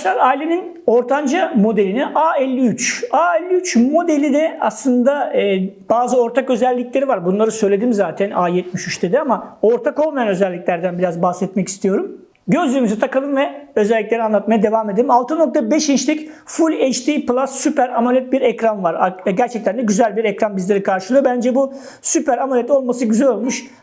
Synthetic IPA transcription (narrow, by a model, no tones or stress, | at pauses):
ʃlˠaɾajlʲenin | o̞ɾt̪ʰand͡ʒamo̞d̪elʲiniʔaːɛlʲːiyt͡ʃaːɛlʲːiyt͡ʃmo̞d̪elʲid̪ɛa̰slˠɯnd̪aːb̥aːzɯo̞ɾt̪ʰakø̞zɛlʲːicʲlʲe̞ɾivaɾbunlˠaɾɯsøjlʲe̞d̪imzaːt̪ʰænaːjɛt̪̚miʃyt͡ʃd̪ed̪iamao̞ɾt̪ʰako̞lˠmajanø̞zɛlʲːiclʲæɾd̪ænbiɾazbaxsɛt̪mɛci̥st̪ʰijo̞ɾum | ɟø̞zlʲyːmyzɛt̪ʰakalˠɯmvɛø̞zɛlʲːiclʲe̞ɾianlˠat̪̚majad̪evaːmed̪elʲimalˠt̪ʰɯno̞k̚t̪ʰabɛʃint͡ʃlʲicfulʲet͡ʃt̪ʰiplˠasːypæɾamalʲɛt̪̚biɾɛcɾanvaɾaɟæɾt͡ʃʰɛc̚t̪ænd̪ɛɟyzælʲbiɾɛcɾanbizlʲe̞ɾikʰaɾʃɯlˠɯjobænd͡ʒɛbu | sypæɾamalʲɛt̪o̞lˠmas̬ɯɟyzɛlʲo̞lˠmuʃ